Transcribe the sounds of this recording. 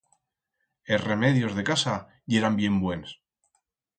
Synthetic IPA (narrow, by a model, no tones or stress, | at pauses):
esre̞me̞ðjo̞zðekasa | je̞ɾambje̞mbwe̞ns